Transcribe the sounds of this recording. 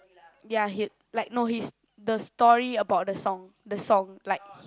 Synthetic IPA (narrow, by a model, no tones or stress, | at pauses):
jaɦi | laɪk̚nohis | dəstɔɹiəbaʊt̚dəsɔ̃ŋ | dəsɔ̃ŋlaɪk̚h